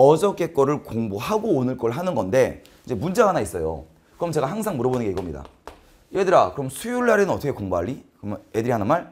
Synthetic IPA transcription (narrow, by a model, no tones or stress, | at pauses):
ʌd͡ʑʌk͈e̞k͈ʌɾɯɭkoŋbohaɡoːnɯɭk͈ʌɾɯɭɦanɯnɡʌnde̞ | id͡ʑe̞mund͡ʑaɡanais͈ʌjo̰ | kɯɾʌmt͡ɕe̞ɡaɦaŋsʰaŋmuɾʌbonɯnɡeikʌmɲida̰ | iedɯɾakɯɾʌmsʰujuɭːaɾenɯnʌt͈ʰʌkʰekoŋbaʎːikɯmne̞dɯɾiɦanɯnmaɭ